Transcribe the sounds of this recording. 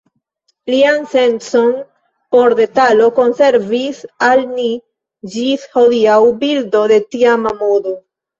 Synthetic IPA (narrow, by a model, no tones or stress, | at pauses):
lianse̞nso̞n | po̞ɾde̞talo̞ko̞nse̞ɾvisalni | d͡ʒisho̞diawbildo̞de̞tiamamodo